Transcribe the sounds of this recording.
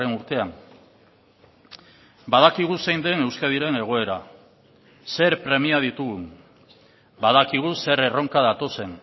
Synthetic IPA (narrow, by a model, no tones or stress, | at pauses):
enuɾt̪e̞am | bað̞akiɣ̞use̞jnd̪e̞ne̞wskað̞iɾe̞ne̞ɣ̞o̞e̞ɾa | se̞ɾpɾe̞miað̞it̪uɣu | bað̞akiɣ̞use̞ɾe̞ro̞ŋkað̞at̪o̞se̞n